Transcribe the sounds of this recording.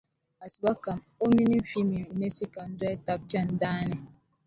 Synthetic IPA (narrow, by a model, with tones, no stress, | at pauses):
a˨si˨ba˦ka˨m | o˦mi˦ni˦m̩˦fi˦mi˨ne˦si˦ka˨n̩˦dwa˦ta˦p̚t͡ʃa˦n˦daː˦nɛ˨